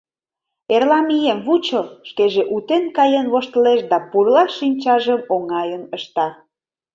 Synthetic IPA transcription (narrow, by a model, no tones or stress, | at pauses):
erlɑmijemβut͡ɕəʃkeʒeʔut̪enkɑjənβoʃt̪əleʃd̪ɑpurlɑinʲt͡ɕɑʒəmoŋɑjənəʃt̪ɑ